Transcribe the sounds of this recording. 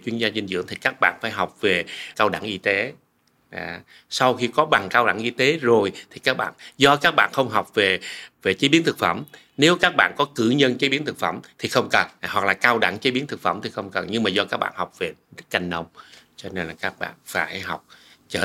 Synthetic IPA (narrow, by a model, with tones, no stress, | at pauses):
t͡ɕwi˧ənzaː˧zi˧ŋ̟zɨ̰˧˥əŋt̪ʰi˨˩kaː˦˥k̚ɓa̰ː˧˨nfaː˧˩jɦa˨˩wk͡p̚ve˨˩kaː˧wɗa̰˧˩ŋʔi˧t̪e˨˦ | ʔa̰ː˨˩ | sa˧wxi˧kɔ˨˦ɓa˨˩ŋkaː˧wɗa̰˧˩ŋʔi˧t̪e˨˦zo˨˩jt̪ʰi˨˩kaː˦˥k̚ɓa̰ː˧˨nzɔ˧kaː˦˥k̚ɓa̰ː˧˨nxə˧wŋ͡mɦa˨˩wk͡p̚ve˨˩ve˨˩t͡ɕe˨˦ɓi˨˦ənt̪ʰɨ˨˩k̚fə˧˩m | ne˨˦wkaː˦˥k̚ɓa̰ː˧˨nkɔ˨˦kɨ̰˧˩ɲə˧nt͡ɕe˨˦ɓi˨˦ənt̪ʰɨ˨˩k̚fə̰˧˩mt̪ʰi˨˩xə˧wŋ͡mkə˨˩nwa˨˩k̚laː˨˩kaː˧wɗa̰˧˩ŋt͡ɕe˨˦ɓi˨˦ənt̪ɨ˨˩k̚fə̰˧˩mt̪ʰi˨˩xə˧wŋ͡mkə˨˩nɲɨ˧ŋmaː˨˩zɔ˧kaː˦˥k̚ɓa̰ː˧˨nha˨˩wk͡p̚ve˨˩z̚ka˧jŋ̟nə˧wŋ͡m | t͡ɕɔ˧ne˧nlaː˨˩kaː˦˥k̚ɓa̰ː˧˨nfaː˧˩jɦa˨˩wk͡p̚t͡ɕəː˧˩